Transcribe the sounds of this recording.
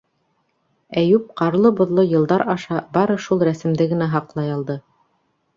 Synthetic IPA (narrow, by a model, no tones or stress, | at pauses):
æjʉp̚qɑɾlˠɤbŏðlˠɤjɤ̆lˠd̪ɑɾɑʃɑbɑɾɤʃulˠɾæsɘ̆md̪ɘɡɘ̆næɦɑqlˠɑjɑlˠd̪ɤ